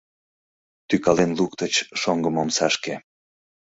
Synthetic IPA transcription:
t̪ykɑlenlukt̪ət͡ɕʃoŋɡəmomsɑʃke

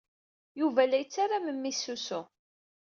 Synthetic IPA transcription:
juvælæjət͡sːaɾaməmːisusʊ

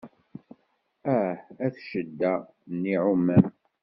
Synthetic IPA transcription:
æhæθʃəd̪ːæ | nːiʕumːæm

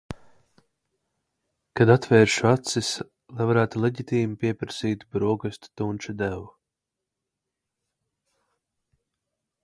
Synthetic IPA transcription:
kad̪at̪vɛːɾʃuat̪sis | lˠajvaɾæːt̪ulˠeɟit̪ʲiːmipʲiɛpɾasiːt̪bɾuɔɡɨst̪t̪unʲt͡ʃud̪æwu

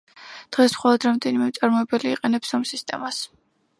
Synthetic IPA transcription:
d̪̥ʁɛsmχɔlˠɔd̪ɾamd̪ɛnimɛmt̪sʼaɾmɔɛbɛliːqʼɛnɛpsɔmsist̪ʼɛmas

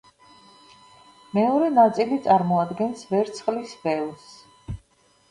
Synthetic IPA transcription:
mɛɔɾɛnat̪sʼilit̪sʼaɾmɔad̪ɡɛnsvɛɾt̪sʰχlisvɛlˠs

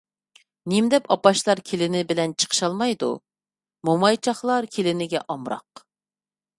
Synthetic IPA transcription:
nimd̪ɛpɑpɑʃlˠɑɾkʲʰelɪnɪbɪlɛnt͡ʃʰə̥qʰə̥ʃɑlˠmɑjd̪ṵ | momɑjt͡ʃʰɑχlˠɑɾkʲʰelɪnɪɡʲɛʔɑmɾɑ̰q

